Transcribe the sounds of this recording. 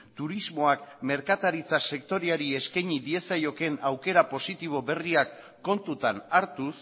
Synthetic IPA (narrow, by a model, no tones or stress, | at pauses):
t̪uɾizmo̞akme̞ɾkat̪aɾit͡sase̞k̚t̪o̞ɾeaɾie̞skajɲid̪ie̞sajo̞ke̞nawke̞ɾapo̞sit̪iβ̞o̞βe̞riakː | o̞nt̪ut̪anaɾt̪us